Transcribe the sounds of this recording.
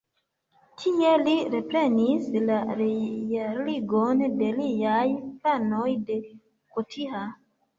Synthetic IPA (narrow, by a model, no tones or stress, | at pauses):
tʰie̞liɾe̞pɾe̞nislaɾejaɾliɡonde̞liajplanojde̞ | kotʰiha